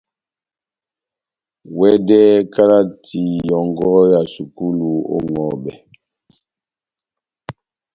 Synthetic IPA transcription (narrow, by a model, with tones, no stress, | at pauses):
wɛ˦dɛ˦ka˦la˦tʰi˨jɔ˨ŋ˦ɡɔ˦ja˨su˨ku˦lu˦˨o̰˦ŋɔ˨bɛ˨